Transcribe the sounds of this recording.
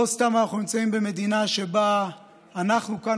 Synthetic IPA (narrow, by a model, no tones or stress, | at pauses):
ost̪amanaχnunimt͡saimbe̞me̞d̪inaʃe̞baː | naχnuka